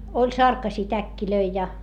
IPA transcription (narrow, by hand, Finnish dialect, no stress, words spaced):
olʲ sɑrkɑsiː tækːiløi jɑ